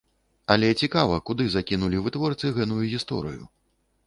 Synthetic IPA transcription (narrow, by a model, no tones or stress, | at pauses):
ɐlʲɛt͡sʲikavɐkud̪ɨzakʲinulʲivɨt̪vɔrt̪sɨɣɛt̪ujuɣʲist̪ɔ̰ɾɨ̰jṵ